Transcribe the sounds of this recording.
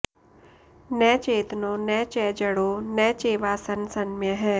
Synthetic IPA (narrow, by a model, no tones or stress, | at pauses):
nɛːt͡ʃeːt̪noːnɛːt͡ʃɛːd͡ʒəɽoːnɛːt͡ʃeːʋaːsənsənmẽɦɛ̃ː